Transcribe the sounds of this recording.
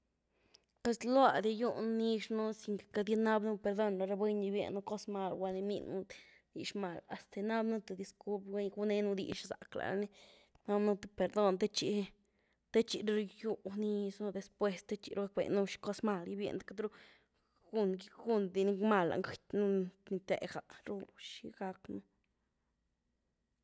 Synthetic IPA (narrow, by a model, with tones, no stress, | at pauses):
pe˧slwa˧d̪i˧ju˦˧nnːi˦˧ʂnu˦si˧˨ŋke̥˨ka˧d̪ʲi˦na˦bnu˦pe˧ɾd̪o˦˧nla˧ɾa˧be˦ɲi˧bjḛ˧nːu˦ko˦sma˧lɡʷwa˧ni˧mḭ˧nu˦ | d̪ḭ˧ʂma˨la˨st̪e˨na˦bnu˦t̪u˧˨d̪i˧sku˦lpɾɡe˦ɲɡu˦ne˦nu˦˧d̪ḭ˧˨ʂsa̰˨kla̰˨ɾni˦ | na˦bnu˦t̪u˧pe˨ɾd̪o˦nt̪e˦t͡ʃi˧ | t̪e˦t͡ʃi˧ɾɾu˧ju˧ni˦snu˧d̪e˧spwe˧st̪e˦t͡ʃḭ˨˧ɾu˦ɡa˧k̚bḛ˨nːu˦ʃi̥˧ko˦sma˧lji˧bjḛ˧nd̪ka˦t̪d̪ɾu˦ | ɡ̥u˧nɡi˦ɡu˦nd̪i˧ni˦ma˧la̰˨ŋɡɨ˨t̪ʲnu˦ni˧t̪ḛ˨ɡa˨ɾu˦u˧ʃi˧ɡa˧knu˦